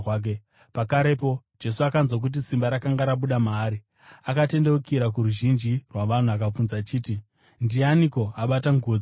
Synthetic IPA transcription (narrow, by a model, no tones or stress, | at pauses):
ke | pakaɾepo̞d͡ʒe̞suakanzwak̬ut̬isimbaɾakaŋɡaɾaɓuɗamaːɾi | akate̞ndewukiɾak̬uɾuʒind͡ʒirwaʋan̤uakap͡funzat͡ʃiːti | ndianiko̞aɓataŋɡoːd͡zi